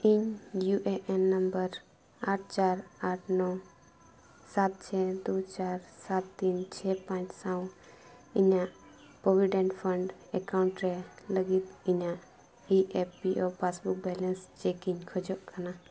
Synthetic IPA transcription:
iɲjuʔeʔɛnːəmbəɾ | aːʈ̚ʰt͡ʃaːɾaːʈʰnɔ | sat̪̚t͡ʃʰɛd̪ot͡ʃaɾsat̪ːint͡ʃʰɛpãt͡ʃsãw̃ | iɲãʔ | pɾoʋiɖẽɳʈpʰəɳɖɛkaʊɳʈɾɛləɡit̪iɲãʔ | iʔepːiʔɔpasbuk̚bɛlənst͡ʃekiɲkʰɔd͡ʒɔʔkʰana

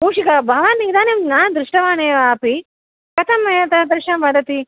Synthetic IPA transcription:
puːʂikɐbʱɐʋaːnid̪aːnemnaːnd̪ɾuʂʈɐʋaːneːʋaːpi | kɐt̪ʰɐmːɐjɐt̪ɐd̪ɾɪʂɐmʋɐd̪ɐt̪i

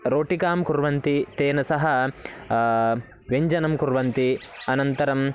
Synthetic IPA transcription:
ɾoːʈikaːmkuɾʋɐnt̪it̪eːnɐsɐɦɐ | ʋeɲd͡ʒɐnɐmkuɾʋɐnt̪iɐnɐnt̪ɐɾɐm

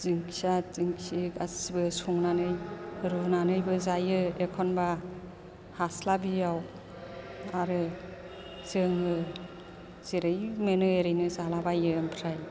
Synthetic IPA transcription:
ziŋsaziŋsikasibɯsuŋnanɯjɾunanɯjbɯzajɯekʰɔnba | haslabijaw | aɾɯ | zɯŋɯ | z̥eɾɯjmenɯeɾɯjnɯzalabajɯmpʰɾaj

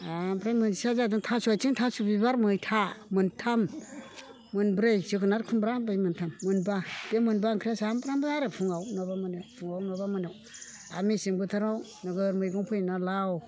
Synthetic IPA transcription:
abɾajmɨnsazadiŋtʰasuat͡ʃiŋtʰasubibaɾmɯtʰamɨntʰamː | ɨnbɾejsikɨnaɾkʰumbɾabajmɨntʰamːɨnbad̥emɨnbaŋkʰɾasaambɾambnaɾafʰuŋawnobamunewfʰuŋawnobamunew | amisiŋbutʰaɾaw | naɡaɾmɯɡuŋpʰojnalaw

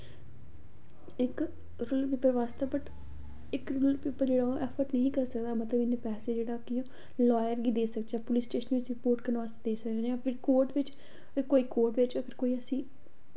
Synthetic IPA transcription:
ɪk | ɾʊlpipəɾʋaːst̪abəʈ | ɪkɾʊllpipːəd͡ʒeːɽãːʔɛpʰəɾʈnəɦĩːkəɾsəkd̪aːmət̪ləbɪnːepɛːseːd͡ʒeːɽaːkɪjõː | lɔːjəɾɡiːd̪eːsəkd͡ʒɛːpʊlɪsʈeːʃənʋɪt͡ʃɾɪpoːɾʈkəɾnʋaːst̪ad̪eːsəkd͡ʒd͡ʒãpʰɪɾkoːɾʈʋɪt͡ʃ | əɡəɾkoːiːkoːɾʈʋɪt͡ʃəɡəɾkoːiːəsĩː

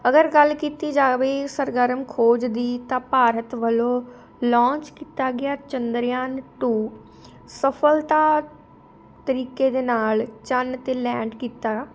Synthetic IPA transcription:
əɡəɾɡəlkiːt̪iːd͡ʒaːʋeːsəɾɡəɾəmkʰoːd͡ʒd̪iːt̪ãːpaːɾət̪ʋəlõː | lɔ̃ːnt͡ʃkiːt̪aːɡɪaːt͡ʃənd̪əɾjaːnʈuː | səpʰəlt̪aː | t̪əɾiːkeːd̪eːnaːlt͡ʃənt̪eːlɛːɳɖkiːt̪aː

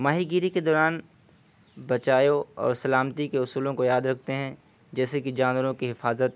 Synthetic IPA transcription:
maːɦiɡiːɾiked̪ɔːɾaːn | bɐt͡ʃaːjoɔ̰ːɾsɐlaːmt̪ikeʊsuːlõkojaːd̪ɾɐk̚ʰt̪eɦɛ̃ | d͡ʒɛːsekid͡ʒaːnʋəɾõkiɦɪfaːzət̪̚

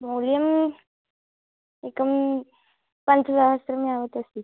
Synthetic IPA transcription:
molijəm | ekəm | pant͡ssaɦəst̪ɾəmiaʋət̪əst̪i

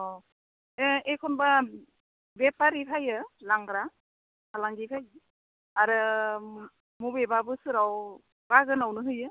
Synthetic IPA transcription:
ɔ | eekʰɔnba | bepaɾipʰajɯlaŋɡɾa | kʰalaŋɡipʰaj | aɾɯ | mubebabɯsɯɾaw | b̥aɡɯnawnɯɦɯjɯ

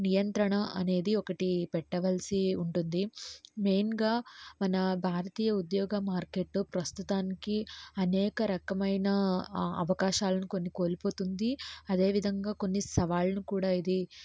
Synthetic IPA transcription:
nijɐnt̪ɾɐɳɐʔɐ̰ne̞ːd̪iɔkɐʈipɛʈːɐʋɐlsiuɳʈund̪ime̞ːnɡaːmɐnɐbʱaːɾɐt̪iːjɐud̪jɔːɡɐmaːɾke̞ːʈːupɾɐst̪ut̪aːnikiɐnɛːkɐɾɐkɐmɐjnɐɐ̰ʋɐkaːʃaːlɐnuko̞nːiko̞ːlipo̞ːt̪und̪iɐd̪e̞ːʋid̪ʱɐŋɡaːko̞nːisɐʋaːlɐnukuːɽaːid̪i

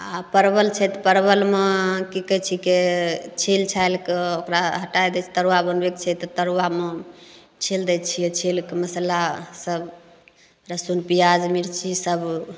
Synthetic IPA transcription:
apəɾbəlt͡ʃʰɛt̪pəɾbəlmekikət͡ʃʰiket͡ʃʰilt͡ʃʰajlkeokɾaɦəʈajd̪ɛt͡ʃʰi̥t̪əɾwabənbekt͡ʃʰɛt̪t̪əɾwame | t͡ʃʰild̪ɛt͡ʃʰijet͡ʃʰilkeməsəlasəb | ɾəsunpijad͡ʒmiɾt͡ʃʰisəb

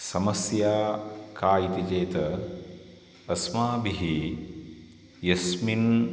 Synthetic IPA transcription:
sɐmɐsjaːkaːjit̪id͡ʒeːt̪ɐ | smaːbiɦi | jɐsmin

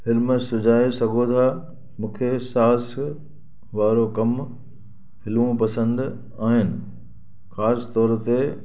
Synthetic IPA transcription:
fɪlməsʊd͡ʑʱaːesɐɡʱot̪ʰaː | mũːkʰesaːs | ʋaːɾokɐm | hɪlʋõpɐsə̃nd̪ | aːɦɪnɪ̆ | xaːst̪ɔːɾt̪e

